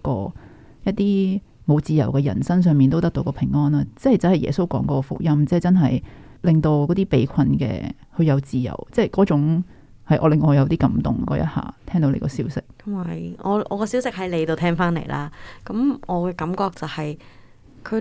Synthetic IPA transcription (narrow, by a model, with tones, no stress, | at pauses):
kɔ̰ː˧ | jɐ˥t̚t̪iː˥ | mo˨˧wt͡siː˨jɐ˨˩wkɛː˧jɐ̰˨˩nsɐ˥ŋsœː˧ŋmiː˨nt̪o˥wt̪ɐ˥k̚t̪o˧kɔː˧pʰɪ˨˩ŋːɔː˥naː˧t͡sɛ˥hɐ˨˩jt͡sɐ˨˥hɐ˨jɛ̰ː˨˩so˥wkɔː˨˥ŋkɔː˧˥kɔ˧fʊ̰˥k̚jɐ˥mt͡sɛ˥˨t͡sɐ˥nɦɐ˨j | lɪ˨ŋt̪o˧wkɔː˨˥t̪iː˥pe˨˥jkʷʰɐ˧nkɛ̰ː˧ | hɵ˧ɥjɐ˨˧wt͡siː˨jɐ̰˨˩wt͡sɛː˥˩kɔː˨˥t͡sʊ˨˥ŋ | hɐ˨˩jʔɔː˨˧lɪ˨ŋːɔː˨˧jɐ˨˧wt̪iː˥kɐ˨˥mt̪ʊ̰˨˩ŋkɔ̰ː˨˥jɐ̰˥t̚ha̰ː˨˩t̪ʰɛː˥ŋt̪o˨˥wlḛ˨˧kɔː˧siː˨˥wsɪ˧k̚ɐ˨jɔ̰ː˨˧ʔɔː˨˧kɔː˧siː˨˥wsɪ˨k̚hɐ˨˥jle˨˧jt̪o˨˧t̪ʰɛː˥ŋfaː˥nlḛ˨˩jlʔa̰ː˥kɐ˨˦mɔː˨˧kɛː˧kɐ˨˧˦mkɔː˧k̚t͡sɐ˨whɐ˨j | kʰɵ˨˧